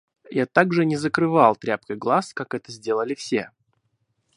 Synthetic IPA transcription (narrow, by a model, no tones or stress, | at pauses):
jat̪aɡʐɨnʲɪzəkɾɨvalˠt̪ɾʲap̚kəjɡlˠaskakɛt̪əzʲdʲe̞lˠəlʲɪfsʲḛ